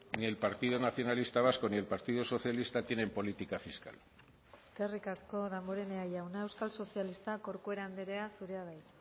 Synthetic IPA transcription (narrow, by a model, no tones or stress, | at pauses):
nie̞lpaɾt̪iðonaθjo̞nalist̪aβ̞asko̞nie̞lpaɾt̪iðoso̞θjalist̪at̪je̞ne̞mpo̞lit̪ikafiska̰l | e̞ske̞rikasko̞ðamboɾe̞neajawnae̞wskalso̞sialist̪ako̞ɾkueɾand̪eɾe̞asuɾe̞aɣaj